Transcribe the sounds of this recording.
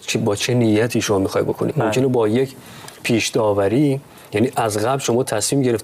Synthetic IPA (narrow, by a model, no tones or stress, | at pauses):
bɒːt͡ʃʰenijæt̪ʰiːʃomɒːmixɒːjdbo̞kʰonḭd̪mo̞mcʰe̞nebɒːjecʰ | pʰiːʃd̪ɒːvæɾiː | jæniːʔæzɣæblʃo̞mɒːt̪ʰæsmiːmɟe̞ɾeft̪